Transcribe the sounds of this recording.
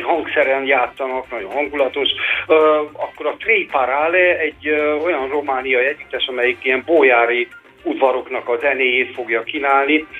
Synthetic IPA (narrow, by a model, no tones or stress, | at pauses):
ɦɒŋksɛɾɛnjaːt̪sːɒnɒknɒɟo̰nɦɒŋɡulɒt̪o̞ʃ | ɒkːo̞ɾɒt̪reːjpaɾalɛɛɟːo̞jɒnromaːnijɒiɛɟyt̪ːɛʃɒmɛjikijɛmboːjaːɾi | ud̪vɒɾo̞knɒkɒzɛneːjeːt̪fo̞ɡjɒkinaːlni